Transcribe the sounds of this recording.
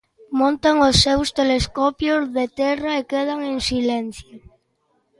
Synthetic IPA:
mõnt̪aŋosːewst̪eleskɔpjozðet̪ɛraekeð̞aŋẽŋsilenθjo

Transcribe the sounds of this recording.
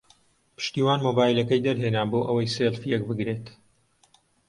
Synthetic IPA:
pʰɨ̥ʃt̪iːwaːnmobaːjlɐkɐjd̪ɐɾɦenaːboːʔɐwɐjselfijɛk̚bɨɡɾeːt̪

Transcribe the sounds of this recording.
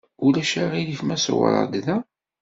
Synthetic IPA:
ʊlæʃæʁiðifmæsə̰wə̰ɾˤə̰d̪ðæ

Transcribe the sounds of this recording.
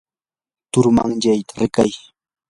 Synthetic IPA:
t̪ʊɾma̰ŋʎajt̪ḁɾɪkaj

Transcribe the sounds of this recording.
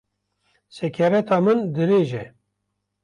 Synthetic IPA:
sɛkʲʰɛɾɛt̪ʰɑːmɨnd̪ɨɾeːʒɛ

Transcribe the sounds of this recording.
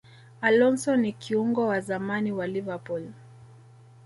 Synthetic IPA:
alɔnsɔnːikiuŋɡɔwazamaniwalivapul

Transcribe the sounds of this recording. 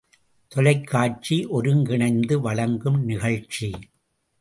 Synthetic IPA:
t̪ɔlɐɪkʰːaːt͡ʃiʔɔɾɯmɡɪɳɐɪnd̪ɯʋɐɭɐŋɡɯmnɪɣɐɭt͡ʃi

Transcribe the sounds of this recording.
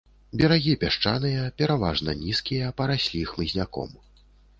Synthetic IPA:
bʲɛɾaɣʲipʲaʂt͡ʂanɨjɐpʲɛɾava̰ʐnɐnʲiskʲijɐpɐɾasʲlʲixmɨzʲnʲakɔ̰m

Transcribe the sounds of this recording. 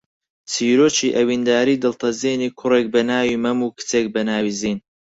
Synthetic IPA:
t͡sʰiːɾoːt͡ʃiːʔɐwiːnd̪aːɾiːd̪ɨlt̪ʰɐzeːniːkʰʊreːk̚bɐnaːwiːmɐmuːkʰɨ̥t͡seːk̚bɐnaːwiziːn

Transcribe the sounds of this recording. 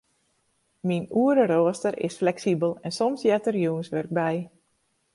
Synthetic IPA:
minuəɾəɾoːəstəɾɪ̰sflɛksibəlˠɛnsɔmsjɛtərjuənsʋørɡ̚bɛj

